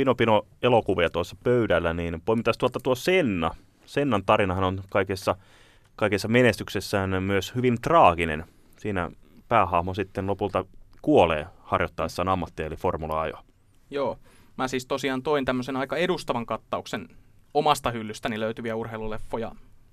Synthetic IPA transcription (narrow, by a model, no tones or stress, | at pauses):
pinopino | elokuʋiɑt̪uosːɑpøydælːæniːnpoimːit̪ːˑɑst̪uolt̪ːɑt̪uosenːɑ | senːɑnt̪ɑɾinɑhɑnonkɑikesːɑ | kɑikesːɑmenest̪yksesːæːnmyøshyʋint̪rɑːɡ̥inḛn | siːnæ̰ | pæːhɑhmosit̪ːenlopult̪ɑkuolḛːhɑrjot̪ːɑesːɑːnɑmːɑt̪ːiɑeliformulɑ̰ɑjo̰ | joː | mæsiːst̪osiɑːnt̪oint̪æmːøsenɑikɑedust̪ɑʋɑŋkɑt̪ːɑuksenomɑst̪ɑhylːyst̪æniløyt̪yʋiæurɦeilulefːojɑ̰